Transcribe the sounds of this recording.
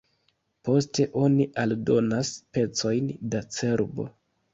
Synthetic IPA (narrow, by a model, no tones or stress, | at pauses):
po̞ste̞ʔo̞niʔaldo̞naspe̞t͡so̞jndat͡se̞ɾbo̞̰